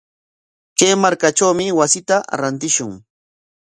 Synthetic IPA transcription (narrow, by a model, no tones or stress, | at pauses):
keːmaɾkaʈ͡ʂawmɪwasɪt̪aɾant̪ɪʃʊŋ